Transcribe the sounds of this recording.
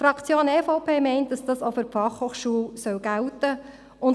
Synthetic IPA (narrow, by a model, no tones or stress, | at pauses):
fɾɑkt͡sjoːnɛfoʊpʰeːmɛɪnt̚d̥ɑsd̥ɑsofyɾfɑχhoːχʃuəlsœwɡ̥æʊt̪ə | ʊn